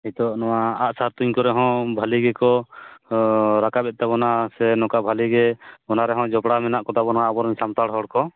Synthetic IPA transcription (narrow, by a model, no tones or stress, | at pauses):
ɛt̪ɔʔnɔwaaʔsaɾt̪uɲkɔɾɛɦɔ̃bʱaliɡɛkɔ | ɾakabɛt̪̚t̪abɔnasɛnɔ̃kabʱaliɡɛbɔnaɾɛɦɔ̃d͡ʒɔpɽamɛnaʔkɔt̪abɔnɔaːbɔɾmsamt̪aɽɦɔɽkɔ